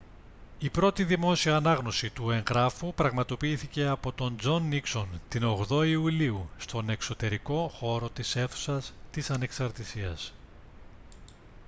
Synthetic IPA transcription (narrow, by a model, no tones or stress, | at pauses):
ipɾo̞t̪iðimo̞siɐːnɐɣno̞sit̪ue̞ŋɣɾɐfupɾɐɣmɐt̪o̞piiθice̞ɐpo̞t̪o̞nd͡zo̞nːikso̞nt̪ino̞ɣðo̞iuliust̪o̞ne̞kso̞t̪e̞ɾiko̞xo̞ɾo̞t̪ise̞θu̥sɐst̪isɐne̞ksɐɾt̪isiɐs